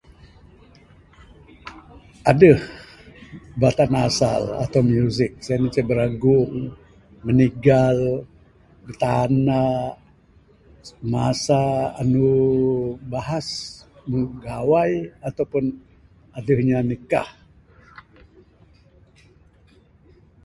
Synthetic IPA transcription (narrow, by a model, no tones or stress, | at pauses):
adəh | bat̪anasa̰la̰t̪awmjuzɪk̚sajanət͡ʃabəɾaɡʊŋ | məniɡal | bət̪ana | masaːnu | baɦasməɡawajat̪awpʊn | adəhɲanəka̰h